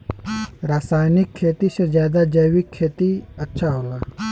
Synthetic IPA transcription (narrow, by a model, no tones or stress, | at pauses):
ɾaːsaːjnɪkʰːeːt̪isəzjaːd̪ad͡ʒəjwɪkʰːeːt̪iɐtːʃʰaɦoːlaː